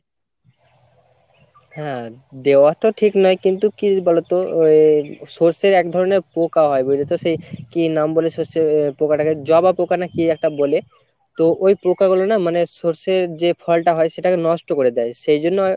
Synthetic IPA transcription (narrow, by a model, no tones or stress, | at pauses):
hɛ̃d̪eoaʈoʈʰiknɔekint̪ukibolot̪o | soɾseɾɛk̚d̪ʱɔɾoneɾpokaɦɔebojlit̪oʃejkinambolesoɾseɾpokaʈaked͡ʑɔbapokanakiɛk̚ʈabole | t̪oʔojpɾokaɡulonamanesoɾseɾd͡ʑefʰɔlʈaɦɔeʃeʈakenɔʃʈokoɾed̪aeʃejd͡ʑonːo